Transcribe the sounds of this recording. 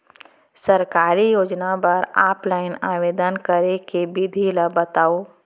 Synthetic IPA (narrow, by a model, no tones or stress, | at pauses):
sɐɾkaːɾijoːd͡ʒnapəɾaːplaːɪnaːʋeːd̪ənkəɾekebid̪ʱiləbət̪aːoː